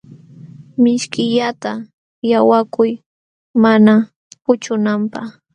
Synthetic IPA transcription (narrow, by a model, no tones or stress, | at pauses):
mɪʃkɪʎat̪a | jawakʊj | mana | pʊt͡ʃʊnampaχ